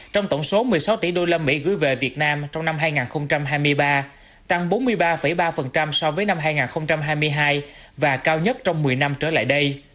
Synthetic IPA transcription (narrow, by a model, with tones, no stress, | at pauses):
t͡ɕɔ˧wŋ͡mt̪ə˧˩wŋ͡mso˨˦mɨ˨˩əjsa˨˦wt̪i˧˩ɗo˧lə˧mːḭ˧˥ɣɨ̰˧˥jvḛ˧˨vi˨˩ət̚naː˧mt͡ɕɔ˧wŋ͡mna˧mɦaː˧jŋaː˨˩nxə˧wŋ͡mt͡ɕa˧mɦaː˧jmɨ˧əjɓaː˧ | t̪a˧ŋɓo˨˦nmɨ˧əjɓaː˧fə˧˩jɓaː˧fə˨˩nt͡ɕa˧msɔ˧vəː˨˦jna˧mɦaː˧jŋaː˨˩nxə˧wŋ͡mt͡ɕa˧mɦaː˧jmɨ˧əjɦaː˧j | vaː˨˩kaː˧wɲə˦˥t̚t͡ɕɔ˧wŋ͡mmɨ˨˩əjna˧mt͡ɕəː˧˩la̰ː˧˨jɗə˧j